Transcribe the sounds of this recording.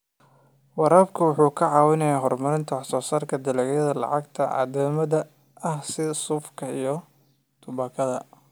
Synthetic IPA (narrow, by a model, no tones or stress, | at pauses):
wɑɾaːbkʰɐwʊħuːkʰɐʕɑːwɪnɐjaːɦɔrmɐɾɪnt̪ʰɐwħsɔːsaːrkʰɐd̪ɐlɛɣjɐðɐlɑ̰ʕɑɡt̪ʰɐʕɑ̰ːðɛːmɐðɐ | ɐhsɪsʊːfkʰɐijɞ | t̪ʰʊbɐkʰɐðɐ